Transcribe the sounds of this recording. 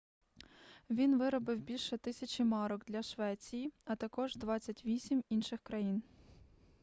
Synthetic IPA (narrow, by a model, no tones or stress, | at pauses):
ʋʲinʋɪɾɔbɪwbʲilʲʃɛt̪ɪsʲɐt͡ʃɪmɑɾɔɡd̪lʲɐʃʋɛt͡sʲijiɐt̪ɐkɔʒd̪ʋɑt͡sʲɐtʲʋʲisʲiminʃɪxkɾɐjin